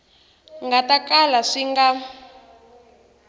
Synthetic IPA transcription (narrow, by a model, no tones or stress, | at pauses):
ŋɡatakalaʂiŋɡa